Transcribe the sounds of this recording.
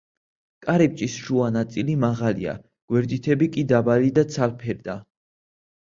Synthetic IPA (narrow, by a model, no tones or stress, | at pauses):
kʼaɾɛp̚t͡ʃʼisʃuanat̪sʼilimaʁalḭa̰ | ɡ̥wɛɾd̪it̪ʰɛbikʼid̪abalid̪at̪sʰalpʰɛɾd̪a